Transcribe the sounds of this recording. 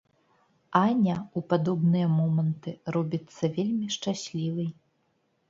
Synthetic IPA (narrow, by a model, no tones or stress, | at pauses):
anʲɐupad̪ɔbnɨjɐmɔmɐnt̪ɨɾɔbʲit̪sːɐvʲelʲmʲiʂt͡ʂasʲlʲivɨj